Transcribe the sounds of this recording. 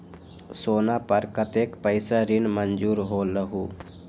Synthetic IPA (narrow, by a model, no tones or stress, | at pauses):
soːnapəɾkət̪eːkpəɪsaɾinmənd͡ʒuːɾɦoːləɦuː